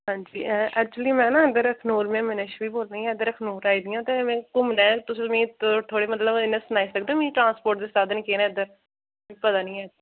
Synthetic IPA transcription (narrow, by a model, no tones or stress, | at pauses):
ɦãːɲd͡ʒḭːɛːk̚t͡ʃuəliːmɛ̃ːnãːəd̪əɾəkʰnuːɾmẽːmɪnɪʃʋiːboːlnaːĩɛ̃ːd̪əɾəkʰnuːɾaːiːd̪ɪjãːt̪eːmɛ̃ːkʊmnãːt̪ʊsĩmĩːt̪t̪ʰoːɽeːmət̪ləbɪnːẽːsʊnaːiːsəkʰd̪ẽːmĩːʈɾãːnspoːɾʈ̚d̪eːst̪aːd̪nɪ̃keːnɛ̃ːd̪əɾ | ĩpət̪aːnĩːaːd̪